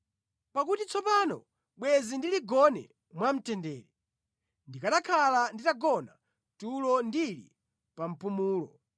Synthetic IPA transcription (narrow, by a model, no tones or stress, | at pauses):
pakutit͡sɔpaːnɔ̰ | ɓwɛzindiliɡɔnɛ̰ | mwam̩tɛndɛːlɛ | ndikaɗakʰalanditaɡɔna | tulɔndilḭ | pam̩pumuːlɔ̰